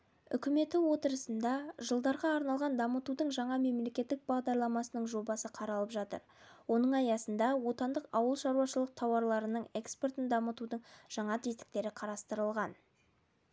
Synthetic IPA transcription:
ʏ̰kʲɪme̞t̪ɪwo̞t̪əɾəsənd̪ɑʒəlˠd̪ɑɾʁɑːɾnɑlˠʁɑnd̪ɑmət̪ud̪əɴʒɑɴɑme̞mle̞kʲe̞t̪ːɪk̚bɑʁd̪ɑɾlˠɑmɑsənəɴʒo̞bɑsəqʰɑɾɑlˠəpʒɑt̪ə̰ɾwo̞nəɴɑjɑsənd̪ɑwo̞t̪ɑnd̪əqɑwəlˠʃɑɾuɑʃəlˠəq̚t̪ʰɑwɑɾlˠɑɾənəɴe̞ksport̪ɪnd̪ɑmət̪ud̪əɴʒ̥ɑɴɑt̪ʰezt̪ɪ̥k̚t̪e̞ɾɪqʰɑɾɑst̪əɾəlˠʁɑn

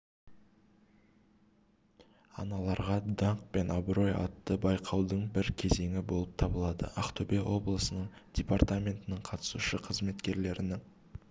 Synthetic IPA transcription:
ɑ̰nɑlˠɑɾʁɑd̪ɑɴq̚pe̞nʔabɾo̞jɑ̰t̪ːəbɑjqʰɑwd̪əɴbɪɾkʲʰe̞ze̞ŋɪbo̞lˠəp̚t̪ʰɑbəlˠɑd̪ə̰ʔaχt̪obewo̞blˠəsənəɴd̥ʲepart̪amʲe̞nt̪ɪnɪɴqʰɑt̪ə̥suʃəqʰəzme̞t̪kʲe̞ɾle̞ɾɪnɪŋ

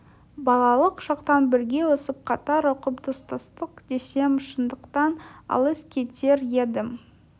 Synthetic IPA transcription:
bɑlˠɑlˠəqʒ̥ɑqt̪ɑnbɪɾɡʲe̞wosəp̚qʰɑt̪ɑɾʊqəpd̪ʊst̪ɑst̪əqd̪e̞se̞mʃənd̪əqt̪ɑnɑ̰lˠəskʲʰe̞t̪e̞ɾje̞d̪ɪm

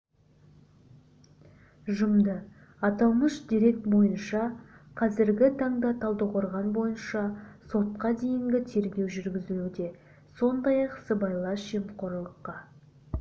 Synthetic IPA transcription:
ʒʊmd̪ə | ɑt̪ɑlˠməʃd̪iɾe̞k̚t̪bo̞jənʃɑqʰɑzɪɾɡʲɪt̪ʰɑɴd̪ɑt̪ʰɑlˠd̪əqoɾʁɑnbo̞jənʃɑso̞t̪qɑd̪e̞jɪŋɡʲɪt̪ʰe̞ɾɡʲe̞wʒʏɾɡʲɪzɪlud̪e̞ | so̞nd̪ɑjɑqsəbɑjlˠɑsʒemqʰoɾlˠəqːɑ

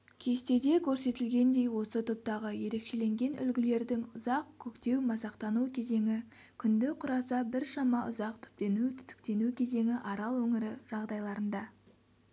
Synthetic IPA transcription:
kʲʰe̞st̪e̞d̪e̞kʲʰɵɾse̞t̪ɪlɡʲe̞nd̪e̞jwo̞sət̪ʰop̚t̪ɑʁəje̞ɾe̞kʃe̞le̞ŋɡʲe̞nʏ̰lɡʲɪle̞ɾd̪ɪŋʊzɑq̚kʲʰɵkt̪e̞wmɑsɑqt̪ɑnukʲʰe̞ze̞ŋɪkʲʰʏnd̪ɪqʰʊɾɑsɑbɪɾʃɑmɑʔʊ̰zɑq̚t̪ʰʏ̥p̚t̪e̞nut̪ʰt̪ʏ̥kt̪e̞nukʲʰe̞ze̞ŋɪʔɑɾɑlˠwɵŋɪɾɪʒ̥ɑʁd̪ɑjlˠɑɾənd̪ɑ

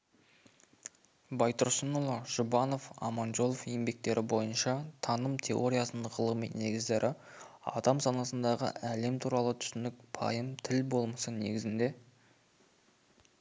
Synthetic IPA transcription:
bɑjt̪ʊɾsənulˠoʒ̥ʊbɑno̞fɑ̰mɑnʒo̞lˠofje̞mbe̞k̚t̪e̞ɾʔɪbo̞jənʃɑt̪ʰɑnəmt̪ʰe̞o̞ɾʲijasənəqʰəlˠminːe̞ɡʲɪzd̪e̞ɾʔɪ | ɑ̰d̪ɑmsɑnɑsənd̪ɑʁə̰æle̞mt̪ʰuɾɑlˠət̪ʰʏ̥sɪnɪk̚pʰɑ̰jəmt̪ʰɪlbo̞lˠmɑsəne̞̰ɡʲɪzɪnd̪e̞

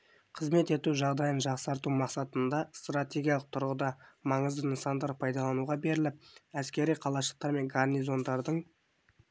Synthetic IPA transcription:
qʰəzme̞t̪e̞t̪uʒɑʁd̪ɑjənʒɑqsɑɾt̪umɑqsɑt̪ənd̪ɑst̪rat̪ʲe̞ɡʲijɑlˠəq̚t̪ʰʊɾʁəd̪ɑmɑɴəzd̪ənəsɑnd̪ɑɾpʰɑjd̪ɑlˠɑnuʁɑbe̞ɾɪlɪp̚æskʲe̞ɾijqʰɑlˠɑʃəq̚t̪ɑɾme̞ŋɡarnizo̞nd̪ɑɾd̪əɴ

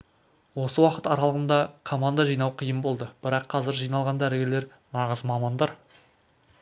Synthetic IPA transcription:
wo̞səwɑqə̥t̪ɑɾɑlˠəʁənd̪ɑkʰomand̪ɑʒijnɑwqʰijəmbo̞lˠd̪əb̥ɪɾɑqʰːɑzɪɾʒijnɑlˠʁɑnd̪æɾɪɡʲeɾleɾ | nɑʁəzmɑmɑnd̪ɑɾ

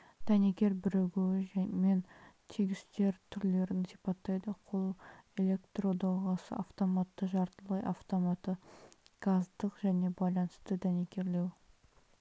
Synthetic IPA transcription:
d̪̥ænekʲe̞ɾbɪɾeɡʲewɪment̪ʰiɡʲɪst̪e̞ɾt̪ʰʏɾle̞ɾɪnsipɑt̪ːɑjd̪əqʰolˠe̞lʲe̞kt̪rod̪ɑʁɑsə̰ʔaft̪o̞mɑt̪ːəʒɑɾt̪əlˠəjʔɑft̪o̞mɑt̪əɡ̥ɑzd̪əqʒæne̞bɑjlˠɑnəst̪əd̪ænekʲe̞ɾle̞w

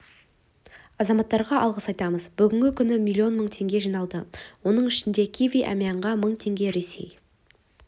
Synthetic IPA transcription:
ɑzɑmɑt̪ːɑɾʁɑʔɑ̰lˠʁəsɑjt̪ɑməzbʏɡʲɪŋɡʲɪkʲʰʏnɪmʲilʲːˠio̞nməɴt̪ʰe̞ŋɡʲe̞ʒijnɑlˠd̪əwo̞nəɴɪʃɪnd̪e̞kʲʰiviʔa̰mijɑɴʁɑməɴt̪ʰe̞ŋɡʲe̞ɾe̞se̞̰j

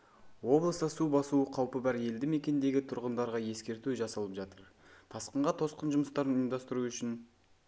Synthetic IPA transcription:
wo̞blˠəsəsubɑsuəqʰɑwpəbɑɾje̞ld̪ɪme̞kʲe̞nd̪e̞ɡʲɪt̪ʰʊɾʁənd̪ɑɾʁɑje̞skʲe̞ɾt̪uʒɑsɑlˠəpʒɑt̪əɾt̪ʰɑsqəɴʁɑt̪ʰo̞sqənʒʊməst̪ɑɾənjmd̪ɑst̪əɾuʏʃɪn

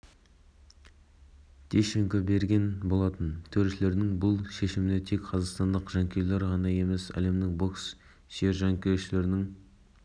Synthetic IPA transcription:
t̪ʲʰeʃeŋkobe̞ɾɡʲe̞nbo̞lˠɑt̪ənt̪ʰɵɾʃɪle̞ɾɪnɪŋbʊlˠʃe̞ʃɪmɪnet̪ʰe̞kqʰɑzɑqst̪ɑnd̪əqʒ̥ɑŋkʲʰe̞ɾleɾʁɑnɑje̞me̞sæ̰le̞mnɪŋbo̞ks | ʒ̥eɾʒɑŋkʲeɾʃɪle̞ɾɪnɪŋ

